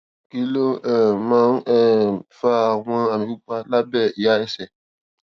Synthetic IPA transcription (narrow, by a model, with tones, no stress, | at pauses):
ki˦lo˦ɛ˨mã˦ŋɛ˦˨fa˦˨wã˦a˨mĩ˨˦k͡pa˦la˦bɛ˦˨i˨ja˦ɛ˦sɛ˨